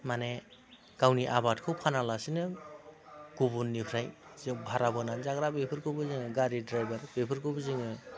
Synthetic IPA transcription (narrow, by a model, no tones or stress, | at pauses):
mane | ɡ̥awniʔabatkʰɯwpʰanalasinɯ | ɡ̥ubunːipʰɾajzɯbʱaɾabɯnanzaɡɾabepʰɯɾkʰɯbɯzɯŋɯɡaɾidɾajbaɾbepʰɯɾkʰɯbɯzɯŋɯ